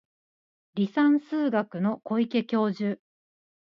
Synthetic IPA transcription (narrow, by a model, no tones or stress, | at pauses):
ɾʲisãɰ̃sɨːɡakɯ̟no̞ko̞ike̞kʲo̞ːʑɨː